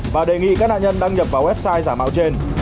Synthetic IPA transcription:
vaː˨˩ɗe˨˩ŋḭ˧˨kaː˦˥k̚na̰ː˧˨ʔɲə˧nɗaː˧ŋɲə˨˩p̚vaː˨˩wɛ˦˥p̚saː˧jzaː˧˩ma̰ː˧˨wt͡ɕe˧n

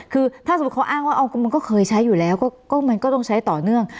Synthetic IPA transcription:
kʰɯː˧t̪ʰaː˥˩skʰʔaː˥˩ŋwaː˥˩ʔa˧kʰu˧mu˧nkɔː˥˩kʰɤː˧jt͡ɕʰa˦˥jːuː˨˩lɛː˦˥wkɔː˥˩kɔː˥˩ma˧nkɔː˥˩lo˧˥˩ŋt͡ɕʰa˦˥jt̪ɔː˨˩nɯ˥˩əŋ

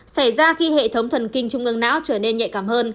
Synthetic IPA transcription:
sa˧˩jzaː˧xi˧hḛ˧˨t̪ʰə˨˦wŋ͡mt̪ʰə˨˩nkï˧ŋ̟t͡ɕʊ˧ŋ͡mʔɨ˧əŋna̰ː˧˥wt͡ɕəː˧˩ne˧nɲa̰˧˨jkaː˧˩mhəː˧n

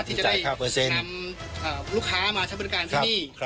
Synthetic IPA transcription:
iː˥˩t͡ɕa˨t͡ɕa˨a˨jʰaː˥˩pʰɤː˧se˧na˧mʔəː˨˩lu˥˩kʰːaː˦˥maː˧t͡ɕʰa˥˩bkaː˧ntʰːa˦˥niː˥˩kʰ

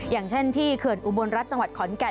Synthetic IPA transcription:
jaː˨˩ŋt͡ɕʰe˥˩nt̪ʰiː˥˩kʰɯ˨˩ənʔu˨˩bo˧nɾa˦˥t̪̚t͡ɕa˧ŋwa˨˩t̪̚kʰɔ˩˦nkɛ˨˩

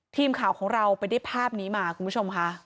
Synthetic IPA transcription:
t̪ʰiː˧mkʰaː˩˦wkʰɔː˩˦ŋɾa˧wpa˧jda˥˩jpʰaː˥˩p̚niː˦˥maː˧kʰu˧mpʰu˦˥o˧mkʰa˦˥ʔ

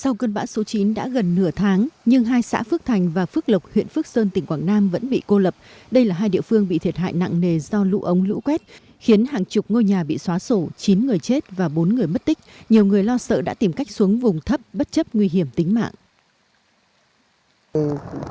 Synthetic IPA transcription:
sa˧wkəː˧nɓa̰ː˧˥so˨˦t͡ɕi˨˦nɗa̰ː˧˥ɣə˨˩nːɨ˧˩ət̪ʰaː˨˦ŋɲɨ˧ŋɦaː˧jsa̰ː˧˥fɨ˦˥k̚t̪ʰa˨˩jŋ̟vaː˨˩fɨ˦˥k̚lə˨˩wk͡p̚hwḭ˧˨ənfɨ˦˥ək̚səː˧nt̪i˨˩ŋ̟kwaː˧˩ŋnaː˧mvə̰˧˥nɓḭ˧˨ko˧lə˨˩p̚ɗə˧jlaː˨˩ɦaː˧jɗḭ˧˨əfɨ˧əŋɓḭ˧˨t̪ʰi˨˩t̚ha̰ː˧˨jna̰˧˨ŋne˨˩zɔ˧lṵ˧˥ʔə˨˦wŋ͡mlɨ̰˧˥kwɛ˦˥t̚ | xi˨˦ənɦaː˨˩ŋt͡ɕʊ˨˩k͡p̚ŋo˧jɲaː˨˩ɓḭ˧˨swaː˨˦so˧˩t͡ɕi˨˦nŋɨ˨˩əjt͡ɕe˦˥t̚vaː˨˩ɓo˨˦nŋɨ˨˩əjmə˦˥t̚t̪ï˦˥k̟̚ɲi˨˩əwŋɨ˨˩əjlɔ˧sə̰ː˧˨ɗa̰ː˧˥t̪i˨˩mka˦˥jk̟̚su˨˦əŋvʊ˨˩ŋ͡mt̪ʰə˦˥p̚ɓt̚t͡ɕə˦˥p̚ŋwi˧ɦi˧˩əmt̪ï˨˦ŋ̟ma̰ː˧˨ŋʔ

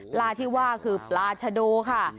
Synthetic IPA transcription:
plaː˧t̪ʰiː˥˩waː˥˩kʰɯː˧plaː˧t͡ɕʰa˧doː˧kʰa˥˩

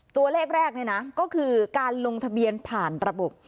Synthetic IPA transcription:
t̪u˧ɐleː˥˩k̚ɾɛː˥˩k̚ni˥˩na˦˥kɔː˥˩kʰɯː˧kaː˧nlo˧ŋt̪ʰa˧bi˧ənpʰaː˨˩nɾa˧bo˨˩p̚

